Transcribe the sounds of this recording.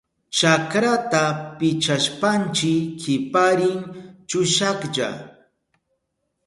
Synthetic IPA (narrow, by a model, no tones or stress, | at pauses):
t͡ʃakɾat̪apɪt͡ʃaʃpant͡ʃɪkːɪpaɾɪŋt͡ʃʊʃakʎa̰